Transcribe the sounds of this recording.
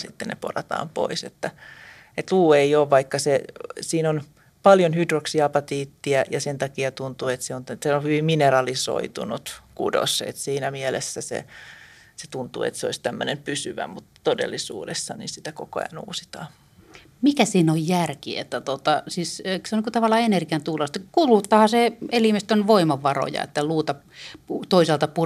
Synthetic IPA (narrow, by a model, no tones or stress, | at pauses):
sit̪ːenḛpo̰rɑt̪ɑ̰ːmpo̰isḛt̪ːæ | et̪luːeioːʋʋɑikːɑsesiːnon | pɑljonhydroksiɑpɑt̪iːt̪ːiæjɑsent̪ɑkiɑt̪unt̪uet̪seont̪seohyʋimminerɑliso̰it̪ṵnut̪kṵdo̰sḛt̪siːnæmielesːæsḛ | set̪unt̪ṵːḛt̪seo̰isʲt̪æmːønempysyʋæ̰mut̪t̪odḛlːisṵːdesːɑnḭnsit̪ækoko̰ɑ̰nṵːsi̥t̪ɑː | mikæsiːnojjærkiḛt̪ːæt̪ot̪ɑsiːskseonikut̪ɑʋɑlːˑɑenerɡiɑnt̪ulɑst̪kulut̪ːɑhɑseelimest̪ønʋoimɑʋːɑro̰jɑ̰ḛt̪ːæluːt̪ɑ | ut̪oisɑlt̪ɑpu